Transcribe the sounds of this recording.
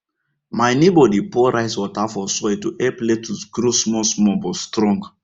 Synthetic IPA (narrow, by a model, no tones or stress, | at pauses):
maɪnebɔdipɔɾaɪswɔtafɔsɔɛtuʔɛpletuɡ̥ɾosmɔsmɔ̃bɔstɾɔ̃ŋɡ